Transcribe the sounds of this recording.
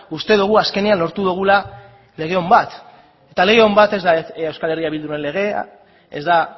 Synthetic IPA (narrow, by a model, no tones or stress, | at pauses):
ust̪e̞ðuɣ̞uaske̞neanlo̞ɾt̪uðuɣ̞ula | le̞ɣ̞e̞o̞mbat̪ | e̞t̪ale̞ɣe̞o̞mbat̪e̞zd̪aewskale̞riaβild̪uɾe̞nle̞ɣ̞e̞a̰ | ḛzd̪a